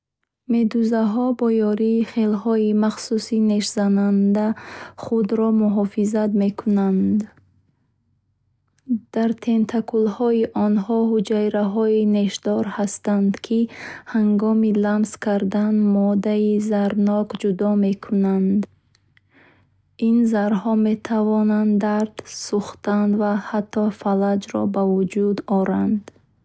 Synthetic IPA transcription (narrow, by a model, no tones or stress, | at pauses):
me̞d̪uzaɦɔbɔjɔɾiːχelɦɔimaχsusine̞ʃzanand̪aχud̪ɾɔmuɦɔfizat̪me̞kʰunand̪ | d̪̥aɾt̪ʰe̞nt̪ʰakʰulhɔiʔɔnhɔɦud͡ʒajɾaɦɔine̞ʃd̪ɔɾhast̪and̪kʰihaŋɡɔmilamskʰaɾd̪anmɔd̪aizaɾnɔkd͡ʒud̪ɔme̞kʰunand̪ | inzaɾhɔme̞t̪ʰavɔnand̪aɾd̪̥suχt̪and̪vahat̪ʰːɔfalad͡ʒɾɔ̰bavud͡ʒud̪ɔɾand̪